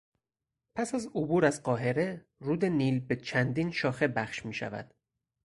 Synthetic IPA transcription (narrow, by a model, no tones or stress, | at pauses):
pʰæsæzobuːɾæzɢɒːɦe̞ɾe̞ | ruːd̪e̞niːlbe̞t͡ʃʰænd̪iːnʃɒːxe̞bæxʃmiːʃæ̰væ̰d̪̥